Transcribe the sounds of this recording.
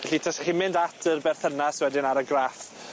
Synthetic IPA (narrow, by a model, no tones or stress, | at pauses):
vɛɬitʰɛsaχimɪndatʰərbɛrθənasɪwɛdɪnaɾəɡraf